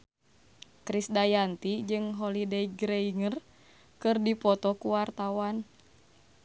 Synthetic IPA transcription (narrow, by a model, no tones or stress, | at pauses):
kɾisdajant̪id͡ʒɨŋɦɔlidɛiɡɾeiŋər | kɨrdipɔt̪ɔkuwart̪awan